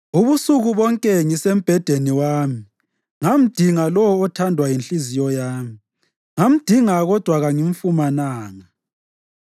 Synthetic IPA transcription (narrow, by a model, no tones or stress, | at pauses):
uβusuɣuβɔŋkʼɛŋisem̩b̥ʱɛd̥ʱeniwaːmi | ŋam̩d̥ʱiŋalɔwɔːtʰandʱwajinɬizijɔjaːmi | ŋam̩d̥ʱiŋaɣɔd̥ʱwaɣaŋiɱfumanaːŋa